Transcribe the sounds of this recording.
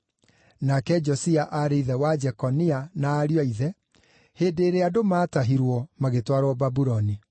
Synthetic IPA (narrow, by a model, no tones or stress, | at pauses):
nakɛd͡ʒɔsiaʔaɾeiðɛwad͡ʒɛkɔnianaːɾjaiðɛ | heːdeːɾeadomaːtaɦiɾwɔmaɣetwaɾwɔbabuɾɔni